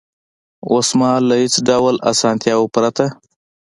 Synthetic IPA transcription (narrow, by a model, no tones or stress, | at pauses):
osmɑlahɪt͡sɖawla̰sɑnt̪jɑwopɾat̪a